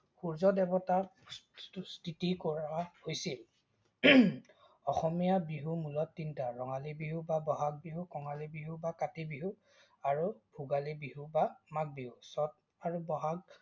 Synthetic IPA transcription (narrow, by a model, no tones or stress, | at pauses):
xuɹzɔdɛbɔta | stʰitikɔɹahojsil | ɔxɔmijabiɦumulɔtːintaɹɔŋalibiɦubabɔɦaɡ̚biɦukɔŋalibiɦubakatibiɦu | aɹubʱuɡalibiɦubamak̚biɦusɔt̚ | aɹubɔɦaɡ̚